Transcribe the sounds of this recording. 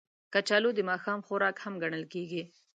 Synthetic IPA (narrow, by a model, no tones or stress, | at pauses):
kat͡ʃɑlod̪əmɑxɑmxʊɾɑkhamɡaɳəlkeɡi